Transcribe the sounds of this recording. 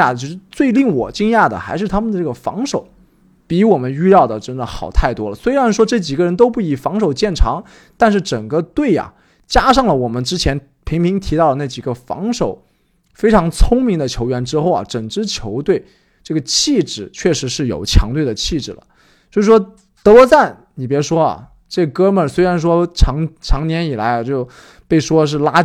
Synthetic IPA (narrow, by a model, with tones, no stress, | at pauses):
a˥˩t͡ɕo˥˧ʂɻ̩˥˧t͡swe˥˧ɪli˥˩ŋwɔ˨˩t͡ɕi˥ŋja˥˩d̪ə̰˩xa˧˥ɪʂɻ̩˥˩t̪ʰa˥mə˨nd̪ʈ͡ʂɤ˥˩ɡə˩fɑ̰˧˥ŋʂo˨˩˦ʊ | pi˧˥wɔ˨˩mə˦ny˥˧lɑ˥˩ʊd̪ə˩ʈ͡ʂə˥nd̪ə˨˩xɑ˨˩ʊt̪ʰa˥˩ɪt̪wɔ˥lə˨˩swe˥ɪɻa˧˥nʂwɔ˥ʈ͡ʂɤ˥˩t͡ɕi˨˩ɡə˧ɻə˧˥nt̪o˥ʊpu˥˩i˨˩fɑ˧˥ŋʂo˨˩ʊt͡ɕjɛ˥˩nʈ͡ʂʰɑ˧˥ŋ | t̪a˥˧nʂ̬ɻ̩˥˩ʈ͡ʂə˨˩ŋɡə˦t̪we˥˩ɪɐ̰˨˩ | t͡ɕja˥ʂɑ˥˩ŋlə˩wɔ˨˩mə˦nʈ͡ʂɻ̩˥t͡ɕʰjɛ˧˥n | pʰi˧˥ŋpʰi˧˥ŋt̪ʰi˧˥t̪ɑ˥ʊlə˩na˥˩t͡ɕi˨˩ɡə˦fɑ̰˧˥ŋʂo˨˩˦ʊ | fe˥ɪʈ͡ʂʰɑ˧˥ŋt͡sʰʊ˥ŋmi˧˥ŋd̪ə˨˧t͡ɕʰjo˧˥ʊɥɛ˧˥nʈ͡ʂɻ̩˥xo˥˩ʊɐ̰˩ʈ͡ʂə˨˩ŋʈ͡ʂɻ̩˥t͡ɕʰjo˧˥ʊt̪we˥˩ɪ | ʈ͡ʂɤ˥˩ɡə˩t͡ɕʰi˥˩ʈ͡ʂɻ̩˨˩˦t͡ɕʰɥɛ˥˩ʂɻ̩˧˥ʂɻ̩˥˩jo̰˨˩ʊt͡ɕʰjɑ̰˧˥ŋt̪we˥˩ɪə˩t͡ɕʰi˥˩ʈ͡ʂɻ̩˨˩lə̰˩ | swɔ˧˥i˧˩ʂwɔ˥ | t̪ɤ˧˥wɔ˧˥t͡sa˥˩n | ni˨˩p̬jɛ˧˥ʂwɔ˥ɐ̰˨˩ | ʈ͡ʂɤ˥˩ɡə˩kɤ˥mə˞˨˩swe˥ɪɻa˧˥nʂ̬wɔ˥ʈ͡ʂʰɑ˧˥ŋʈ͡ʂʰɑ˧˥ŋnjɛ˧˥ni˨˩la˧˥ɪa˧t͡ɕjo˥˩ʊ | pe˥˩ɪʂwɔ˥ʂ̬ɻ̩˥˩la˥